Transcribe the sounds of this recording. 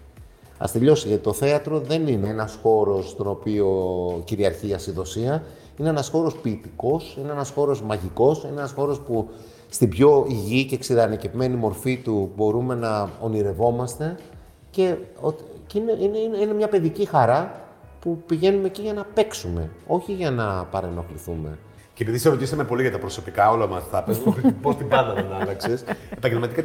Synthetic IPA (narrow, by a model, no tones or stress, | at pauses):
ɐ̰st̪eʎo̞siʝɐt̪it̪o̞θe̞ɐt̪ɾo̞ðe̞nineenɐsxo̞ɾo̞st̪o̞no̞pio̞ciɾiɐɾçiɐsiðo̞siɐ | ine̞enɐsxo̞ɾo̞spiːt̪iko̞sineenɐsxo̞ɾo̞zmɐʝiko̞sineenɐsxo̞ɾo̞spu | st̪ibʝo̞iʝiceksiɾɐnɐcevime̞nimo̞ɾfit̪ubo̞ɾume̞nɐo̞niɾe̞vo̞mɐst̪e̞ | ce̞ot̪ineineinine̞mɲɐpe̞ðicixɐɾɐ | pupiʝe̞nume̞ciʝɐnɐpe̞ksume̞̰o̞çiʝɐnɐpɐɾeno̞kliθume̞̰ | cepiðiseɾot̪isɐme̞po̞liʝɐt̪ɐpɾo̞so̞pikɐo̞lɐmɐst̪ɐpezmupost̪ibɐnd̪ɐðenɐlɐkse̞sepɐɟemɐt̪ikɐ